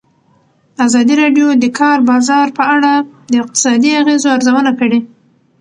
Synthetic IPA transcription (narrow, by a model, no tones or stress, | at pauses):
azɑd̪iɾɑɖjod̪əkʰɑɾbɑzɑɾpəaɽad̪əɪq̚t̪ɪ̥sɑd̪iaɣezoaɾzawənakəɽe